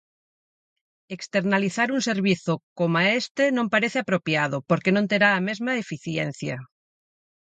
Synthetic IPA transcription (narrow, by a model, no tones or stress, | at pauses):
ekst̪eɾnaliθaɾunseɾβiθokomaest̪enõmpaɾeθeapɾopjað̞opoɾkenõnt̪eɾaːmezmaefiθjen̟θja̰